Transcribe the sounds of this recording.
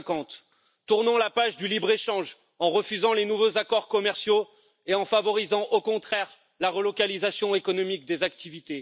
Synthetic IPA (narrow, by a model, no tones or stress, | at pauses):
kɑ̃t̪ | t̪uʁnɑ̃lapaʒd̪ylibʁeʃɑ̃ʒ | ɑ̃ʁəfyzɑ̃lenuvozakɔʁkɔmɛʁsjo | eɑ̃favɔʁizɑ̃ʔokɔ̃t̪χɛʁ | laʁəlɔkalizasjɔ̃ekɔnɔmik̚d̪ezak̚t̪ivit̪e